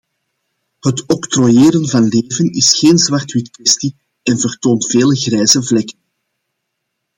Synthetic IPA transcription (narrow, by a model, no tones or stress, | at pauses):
hətɔkt̪rojeːɾənvɑnleːvənɪsxeːnzwɑrtwitkʋɛsti | ɛnvərtoːntfeːləɣrɛːzəvlɛkən